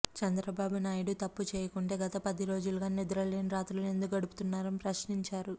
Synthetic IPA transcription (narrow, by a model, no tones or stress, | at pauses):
t͡ʃɛnd̪ɾɐbaːbunaːjiɽut̪ɐpːut͡ʃɛːjɐkuɳʈe̞ːɡɐt̪ɐpɐd̪iɾo̞ːd͡ʒulɐɡaːnid̪ɾɐleːnɾaːt̪ulune̞nd̪uk̬ɐɽuput̪unːaːɾɐnipɾɐʃniɲt͡ʃaːɾu